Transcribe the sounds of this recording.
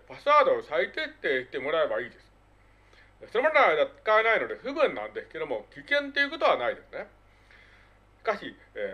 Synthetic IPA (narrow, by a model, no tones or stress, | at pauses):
pasɨβaːd̪o̞ːsait̪et̪ːei̥t̪e̞mo̞ɾae̞baiːd̪e̞sɨ̥ | soɾo̞mand̪ad̪ḁkaenaino̞d̪e̞ɸɯ̟bɯ̟̃nːã̰nd̪e̞sɨ̥ke̞d̪o̞mo̞kʲikẽ̞nt̪ːe̞jiɯ̟ko̞t̪o̞β̞anaid̪e̞sɨne | ɕi̥kaɕi